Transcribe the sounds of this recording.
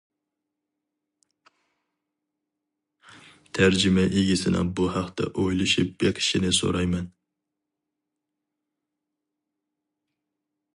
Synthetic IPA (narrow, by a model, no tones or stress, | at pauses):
t̪ʰæɾd͡ʒɪmɛʔeɡʲisɪnɪ̰buhæqt̪ʰɛ̰ʔojlˠuʃɪp̚bɛkʲʰɪ̥ʃinɪso̰ɾɑjmɛn